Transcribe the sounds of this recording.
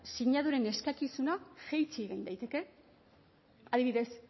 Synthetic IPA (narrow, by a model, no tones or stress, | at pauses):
siɲað̞uɾe̞ne̞skakisunaxejt͡siɣejnd̪ajt̪e̞ke̞ | aðiβiðe̞s